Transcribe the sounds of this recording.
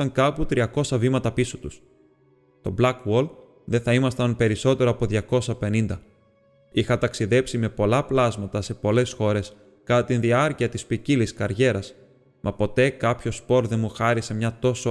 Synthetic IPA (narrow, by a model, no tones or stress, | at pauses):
ɐŋkɐput̪ɾiɐko̞sɐvimɐt̪ɐpisot̪us | t̪o̞blɐkwol | ðeθɐimɐst̪ɐnpe̞ɾiso̞t̪e̞ɾoɐpo̞ðʝɐko̞sɐpe̞nind̪ɐ | ixɐt̪ɐksiðe̞psime̞po̞lɐplɐzmɐt̪ɐse̞po̞le̞sxo̞ɾe̞s | kɐt̪ɐt̪inðiɐɾciɐt̪ispiciliskɐɾʝe̞ɾɐs | mʔɐpo̞t̪e̞kɐpço̞spo̞ɾðe̞muxɐɾise̞mɲɐt̪o̞so